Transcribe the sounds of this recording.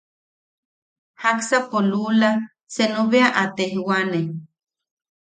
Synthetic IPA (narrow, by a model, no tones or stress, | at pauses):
haksapolula | senoβeaʔat̪ehwane